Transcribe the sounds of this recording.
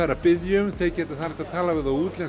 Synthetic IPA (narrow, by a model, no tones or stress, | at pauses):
aɾːapɪðjʏmθeðcɛːt̪ɪ̥θaɛht̪at̪ʰaːlavɪðauːt̪lɛn